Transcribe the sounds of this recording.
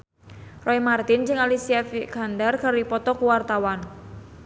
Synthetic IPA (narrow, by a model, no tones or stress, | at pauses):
rɔimart̪ɪnd͡ʒɨŋalisiafiɡ̥andarkaɾipɔt̪ɔkuwart̪awan